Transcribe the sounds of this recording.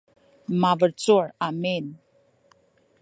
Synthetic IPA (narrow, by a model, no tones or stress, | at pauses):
mavəɾt͡suɾamen